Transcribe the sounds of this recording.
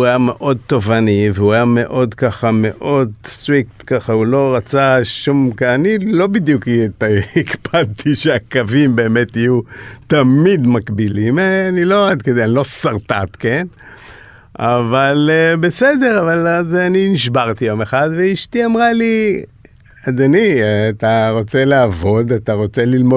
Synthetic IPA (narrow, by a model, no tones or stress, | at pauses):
uajame̞ʔo̞d̪̚t̪o̞vaniveuajame̞ʔo̞d̪kaχame̞ʔo̞dst̪ʁikt̪kaχaulo̞ʁat͡saʃumkaanilo̞bid̪juktikbad̪̚t̪ʰiʃeakavimbe̞ːme̞t̪ijut̪amid̪makbilimeanilo̞ad̪ked̪eanlo̞saʁt̪at̪ke̞n | a̰valebe̞sed̪e̞ʁavalazeaniniʃbaʁt̪ijo̞meχad̪veiʃt̪iamʁali | adanit̪aʁo̞t͡se̞leavo̞d̪at̪aʁo̞t͡se̞lilmo